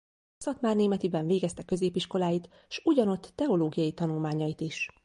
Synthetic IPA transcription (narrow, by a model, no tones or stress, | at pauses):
sɒt̪maːrneːmɛt̪ibɛɱveːɡɛst̪ɛkø̞zeːpiʃko̞laːjit̪ | ʃuɟɒno̞t̪ːɛo̞loːɡijɒjit̪ɒnulmaːɲɒjit̪iʃ